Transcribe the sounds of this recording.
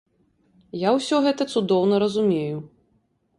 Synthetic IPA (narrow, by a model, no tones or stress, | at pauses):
jawsʲɔɣɛt̪ɐt̪sud̪ɔwnɐɾɐzumʲeju